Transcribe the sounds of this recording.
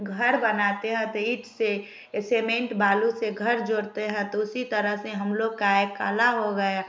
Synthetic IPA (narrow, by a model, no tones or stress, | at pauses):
ɡʱəɾbənaːt̪eɦɛ̃t̪ɔiːʈʰse | seːmẽɳʈbaːluseɡʱəɾd͡ʒoːɽt̪eɦɛ̃t̪ɔʊsit̪əɾəɦseɦəmloɡ̚kaeka̰ːlaɦoɡəja